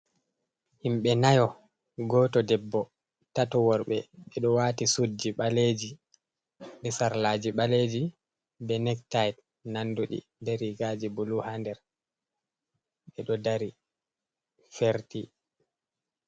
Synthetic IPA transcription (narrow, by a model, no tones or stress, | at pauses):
himɓɛnajɔ | ɡɔːtɔdɛbːɔ | tatɔwɔɾɓɛɓɛɗɔwaːtisud͡ʒiɓaled͡ʒi | ɓɛsaɾlaːd͡ʒiɓaled͡ʒi | bɛnɛktajt | nanduɗḭ | dɛɾiɡad͡ʒibuluhandɛɾ | ɓɛɗɔdaɾi | feɾti